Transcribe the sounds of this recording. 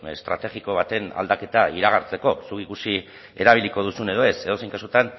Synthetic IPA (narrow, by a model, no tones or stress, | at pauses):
est̪ɾa̰t̪e̞ɣiko̞β̞at̪e̞na̰ld̪ake̞t̪aiɾaɣ̞aɾt͡se̞ko̞sukikusi | e̞ɾaβ̞iliko̞ð̞usune̞ð̞o̞e̞se̞ð̞o̞se̞jŋkasut̪an